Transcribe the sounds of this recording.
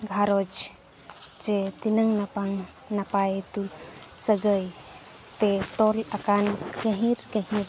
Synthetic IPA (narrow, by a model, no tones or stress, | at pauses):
ɡʱaɾod͡ʒ | d͡ʒet̪inəŋnapaŋ | napajt̪ulsəɡəj | t̪et̪ɔlakankə̃ɦiɾkəɦĩɾ